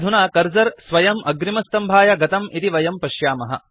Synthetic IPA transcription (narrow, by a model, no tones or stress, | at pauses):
d̪ʱunaːkɐɾd͡ʒɐɾsʋɐjɐmʔɐɡɾimɐst̪ɐmbʱaːjɐɡɐt̪ɐmit̪iʋɐjɐmpɐʃjaːmɐɦɐ̰